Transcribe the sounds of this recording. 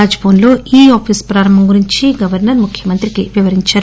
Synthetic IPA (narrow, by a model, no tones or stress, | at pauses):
aːd͡ʒboːnlo̞ːʔiːaːpʰiːspɾaːɾɐmɦɐmɡuɾiɲt͡ʃiɡɐʋɐɾnɐɾmukʰjɐmɐnt̪ɾikiʋiʋɐɾiɲt͡ʃaːɾ